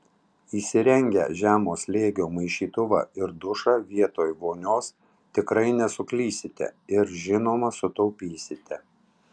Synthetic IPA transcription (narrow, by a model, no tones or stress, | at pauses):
iːsʲɪɾʲɛŋʲɡʲɛ̰ʒʲæːmoːslʲeːɡʲoːmɐɪʃʲiːt̪ʊʋɑ̰ːɪɾd̪ʊʃɑːʋʲiɛt̪oːjʋoːnʲoːs | t̪ʲɪkɾɐɪnʲɛsʊklʲiːsʲɪt̪ʲɛ̰ɪɾʒʲɪnoːmɐsʊt̪ɒʊpʲiːsʲɪt̪ʲɛ